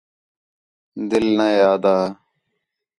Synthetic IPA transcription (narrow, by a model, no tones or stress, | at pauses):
d̪ɪlnajaːd̪aː